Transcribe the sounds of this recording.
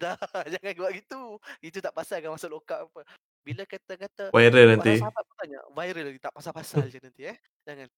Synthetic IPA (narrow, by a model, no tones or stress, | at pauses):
dad͡ʒaŋankəbaʔɡit̪uit̪ut̪aʔpasalkamasalokaʔapə | bilakat̪akat̪avajɾəlnant̪iapət̪aɲa̰vajɾəlnant̪it̪aʔpasalpasald͡ʒənant̪iɛh | d͡ʒaŋan